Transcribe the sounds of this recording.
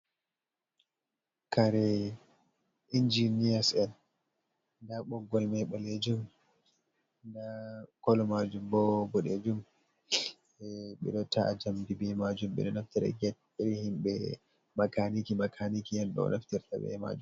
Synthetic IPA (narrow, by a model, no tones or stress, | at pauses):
kaɾɛ | ʔind͡ʒinijasɛn | ndaɓɔɡɔlmɛɓɔled͡ʒum | ndakɔlɔmad͡ʒumbɔbɔɗed͡ʒum | ɛɓɛ̰ɗɔtaad͡ʒamdibɛmad͡ʒumɓɛ̰ɗɔnaftiɾɛ̰ɡɛ | ɛɾihimɓɛ | makanikimakʰanikiɛnɗɔ̰naftiɾta̰ɓɛ̰ma̰d͡ʒum